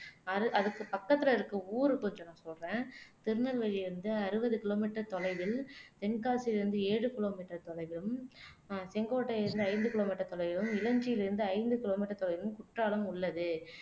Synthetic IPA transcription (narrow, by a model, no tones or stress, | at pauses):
ɐɾɯʔɐðɯkːɯpɐkːɐt̪ːɪlɐɪɾɯkːɯuːɾɯkɔɲd͡ʒõnãːsɔlɾẽːt̪ɪɾɯnɐlʋɐɻiɪɾɯnd̪ɯɐɾɯbɐðɯkɪloːmiːʈːɐɾt̪ɔlɐɪʋɪlt̪ɛnkaːsilɪɾɯnd̪ɯeːɽɯkɪloːmiːʈːɐɾt̪ɔlɐɪʋɪlɯm | sɛŋɡoːʈːɐɪɾɯnd̪ɯɐɪnd̪ɯkɪloːmiːʈːɐt̪ɔlɐɪʋɪɾɯmɪlɐɲd͡ʒɪjɪlɪɾɯnd̪ɯɐɪnd̪ɯkɪloːmiʈːɐɾt̪ɔlɐɪʋɪɯmkʊʈraːlɐmʊɭːɐðɯ